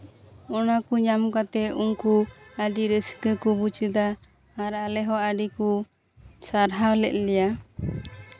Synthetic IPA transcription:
ɔnakuɲamkat̪ɛuŋkuaɖiɾəskəkubut͡ʃəd̪aː | ɾalɛɦɔaɖiku | saɾɦawlɛt̪̚lɛja

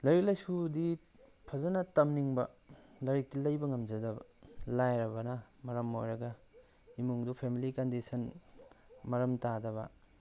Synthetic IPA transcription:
lɐɾik̚lɐjsudi | pʰɐzɐnɐtɐmniŋbɐlɐɾik̚tilɐjbɐŋɐmd͡ʒɐdɐbɐlajɾɐbɐnɐmɐɾɐmojɾɐɡɐ | imuŋdupʰemilikɐndisɐn | mɐɾɐmtadɐβɐ̰

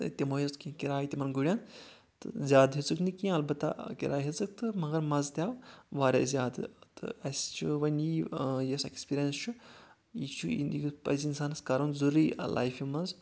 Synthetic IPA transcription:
t̪ʲemoːjɐst̪kĩkiɾaːit̪ʲimɐnɡuɽʲan | t̪ɨzʲjaːd̪ɦit͡sɨknɨkiẽɐlbɐt̪ːa̰kiɾʔaːjɦet͡sɨk̚t̪ɨmɐɡɐɾmɐzt̪ʲjaːwʋaːɾʲḛzʲjaːd̪ɨt̪ɨ̰ɐst͡ʃʰuʋɐniːjɐsekspiːɾijɐnst͡ʃʰu | it͡ʃʰuḭiɡpɐ̰zinsaːnɐskaɾɐnzuɾiːlʔa̰ːjfimɐz

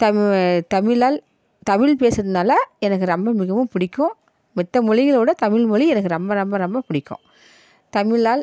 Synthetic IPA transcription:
t̪ɐt̪ɐmɪɭaːl | t̪ɐmɪɭpeːsɾɐðɯnaːlɐɛnɐkːɯɾɐmbɐmɪɣɐmɯmpʊɽɪkːʊ̃ | mɪt̪ːɐmʊɻɪŋɡɐɭoːɽɐt̪ɐmɪɭmʊɭiɛnɐk̬ːɯɾɐmbɐɾɐmbɐɾɐmbɐpʊɽɪkːʊ̰̃ | t̪ɐmɪɭaːl

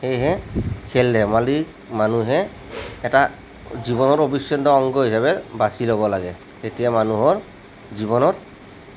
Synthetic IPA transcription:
hejɦɛkʰɛlːɛmalik | manuɦɛː | ta | ziβɔnɔɹobisːɔnd̪ɔːŋɡɔɦisaβɛɹbasilobɔlaɡɛ | setiɛmanuɦɔɹ | ziβɔnɔt̚

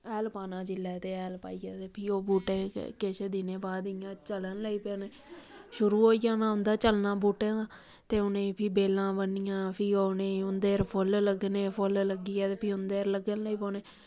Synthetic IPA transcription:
ɛːlpaːnãːd͡ʒɪlːɛːt̪eːɛːlpa̰ːiːaːt̪eːpʰiːoːbuːʈḛːkɪʃd̪ɪnẽːbaːd̪ɪjãːt͡ʃələnləiːpeːneː | ʃʊɾuːɦoːijãːnãːʊ̃nd̪aːt͡ʃəlnãːbuːʈẽːaː | t̪eːʊnẽːpʰiːbeːlãːbənːɪjãːpʰiːoːnẽːʊnd̪eːɾpʰʊlləɡneːpʰʊlləɡiːɛːt̪eːpʰiːʊnd̪eːɾləɡənləiːpoːneː

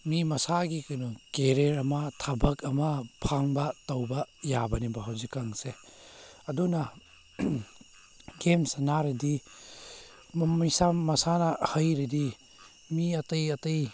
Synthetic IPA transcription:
mimɐsaɡikɐnukeɾeɾɐmɐtʰabɐkɐmɐpʰaŋbɐtɐwbɐjabɐnibɐɦawzikːaŋse | ɐdunɐ | ɡemsɐnaɾidi | mɐjsamɐsanɐhɐjɾidi | miɐtɐjɐtɐj

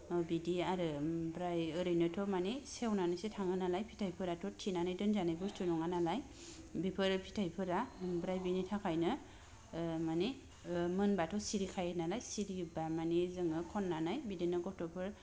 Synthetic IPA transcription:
bidiaɾɯbɾajɯɾɯjnɯtʰɔmanesewnanɯsetʰaŋɯnalajpʰi̥tʰajpʰɯɾatʰɔtʰinanɯjdɯnzanajbɯstunɔŋanalaj | bipʰɯɾpʰi̥tʰajpʰɯɾabɾajbinitʰakʰajnɯ | mani | mɯnbatʰɔsiɾikʰajɯnalajsiɾibamanizɯŋɯkʰɔnːanajbidinɯɡɔtʰɔpʰɯɾ

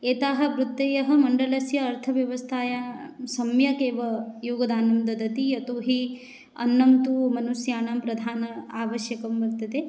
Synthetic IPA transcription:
eːt̪aːɦɐ̆bɾut̪ːeːjɐɦɐ̆mɐɳɖɐlɐsjɐːɾt̪ʰɐʋjɐʋɐst̪ʰaːjasɐmjɐkeːʋɐjuːɡɐd̪aːnɐmd̪ɐd̪ɐt̪iɐt̪uɦi | ɐ̰nːɐmt̪umɐnusjaːnaːmpɾɐd̪ʱaːnɐaːʋɐʃjɐkɐmʋɐɾt̪ɐd̪e

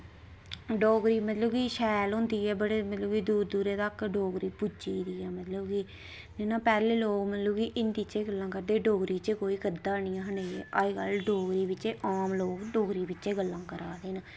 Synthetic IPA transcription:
ɖoːɡɾiːmət̪ləbkiːʃɛːlɦʊ̃nd̪iːɛːbəɽeːmət̪ləbkiːd̪uːɾd̪uːɾeːt̪aːkɖoːɡɾiːpʊd͡ʒiːd̪iːaːmət̪ləbkiː | nenaːpɛːleːloːkmət̪ləbkiʔɪnd̪it͡ʃeːɡəlːãːkəɾd̪eːɖoːɡɾiːt͡ʃekoːiːkəɾd̪aːɳiːãːɦəneːḛːʔaːikəlɖoːɡɾiːbɪt͡ʃeːʔaːmloːkɖoːɡɾiːbɪt͡ʃːt͡ʃeːɡəlːãːkəɾaːd̪eːnaː

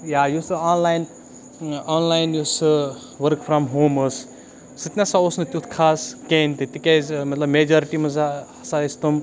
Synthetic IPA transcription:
jaːjusɨaːnlaːjn | aːnlaːjnjusɨ | ʋɐɾkfɾɐmɦoːmɨs | sɨt̪nɐsaosnɨt̪ʲut̪ʰkʰaːskẽːnt̪it̪ikezmɐt̪lɐbmed͡ʒoːɾʈimɐzaɐsaist̪um

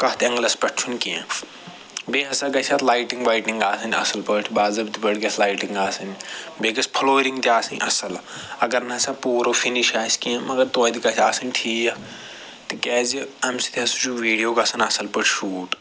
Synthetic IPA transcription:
kɐɦt̪ɐ̃ŋɡlɐspɐʈʰt͡ʃʰunʲkiã | beːɦɐsɐɡɐt͡ʃʰʲɐt̪laːjʈiŋɡʋaːjʈiŋɡaːsɐnʲɐ̰sɐlpɐʈʰbaːzɐbt̪ibɐɽɡʲɐt̪ʰlaːjʈiŋɡaːsɐnbekɐspʰɐloːɾiŋɡt̪iaːsɐnʲʔɐsɐlɐɡɐɾnɐɐsɐpuːɾofʰiniʃaːskiẽmɐɡɐɾt̪oːd̪ikɐt͡ʃʰaːsɐnʲʈʰiːa | t̪ɨkɛːziɐmsi̥t̪iɐsud͡ʒuʋiːɽijoːkɐsɐnʲɐsɐlpɐʈʰʃuːʈ

